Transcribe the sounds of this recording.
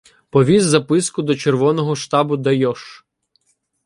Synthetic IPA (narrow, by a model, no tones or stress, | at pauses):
pɔʋʲizːɐpɪskʊd̪ɔt͡ʃerʋɔnɔɦɔʃt̪ɑbʊd̪ɐjɔʃ